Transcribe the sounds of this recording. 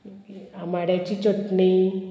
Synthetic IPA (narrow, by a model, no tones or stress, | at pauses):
amaɽjat͡ɕit͡ɕoʈni